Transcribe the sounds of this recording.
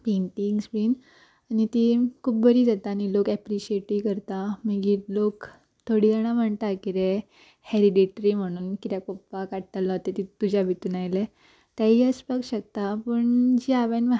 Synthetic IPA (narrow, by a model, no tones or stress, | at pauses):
peɳʈiŋɡsbiːn | anit̪ikʰuːp̚bəɾiːd͡zat̪aːnilokɛpɾiɕieʈikəɾt̪aməɡitlok | t̪ʰoɽid͡zəɽ̃am̤əɳt̪akiɾe | heɾiɖiʈɾim̤əɽ̃uːnkit̪jakopːakaɽt̪alaɦot̪et̪it̪ːud͡ʑabʱit̪unajle | t̪jaɦiəspəɡɕək̚t̪apəɳd͡ʑiaʋenʋ